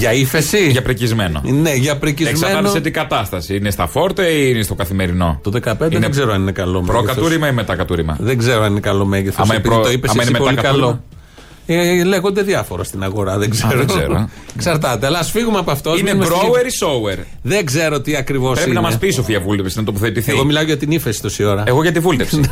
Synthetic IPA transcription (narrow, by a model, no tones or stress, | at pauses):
ʝɐifesiʝɐpɾicizmeno̰neʝɐpɾiciezmsmɐɾeɐnoset̪iɡɐt̪ɐst̪ɐsiinest̪ɐfoɾt̪eiinest̪o̞kɐθimeɾino̞̰t̪oðe̞kɐped̪eneɡze̞ɾoɐninekɐlo̞meɾoekɐt̪uɾimɐinmet̪ɐkɐt̪uɾimɐ̰ðeŋɡze̞ɾoɐninekɐlo̞me̞ʝeθo̰msmɐipiit̪o̞ipesɐmɐineemepoɐliiklo | eleɣo̞nd̪e̞ðjɐfo̞ɾɐ̰st̪inɐɣo̞ɾɐðeɡzeɾoɾo | ksɐɾt̪ɐt̪eɐlɐsfiɣumeɐpoɐft̪oinemɾoeɾisoueɾ | ðeŋɡze̞ɾo̞t̪iɐkɾivo̞sɾepinɐnmɐspis̬ofiɐvult̪efsinɐt̪op̬oθet̪iθeɣɣo̞milɐoʝɐt̪inifesi̥t̪osio̞ɾɐeɣoʝɐt̪̬ivult̪efsi